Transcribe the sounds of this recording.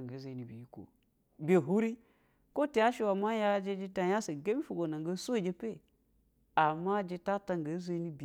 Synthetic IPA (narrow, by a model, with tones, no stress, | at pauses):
ŋɡa˨˦ze˨ni˨bi˨ji˦ko̰˨ | bʲe˨ɦu˦ɾi˦ | ko˦te˨ja˦ʃe˦wa˨ma˦ja˦d͡ʒe˦d͡ʒi˦ta˦ja˦se˨ɡe˦bi˦fu˨ɡo˨na˨ŋɡə˦so˦˨d͡ʒe˦pe˦˨ | a˨mːa˦d͡ʒi˦ta˦ta˦ŋɡə˨˦ze˦ni˦bi˨